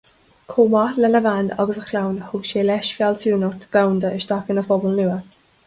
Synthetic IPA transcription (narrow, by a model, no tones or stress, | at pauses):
kʰoːmalɛləvand̪a̰ɡəsəxʰlawnhʊɡʃeːlɛʃfjalsuːnɔt̪ɡ̥awnd̪əɪʃd̥̪akənəfɔbəlnuə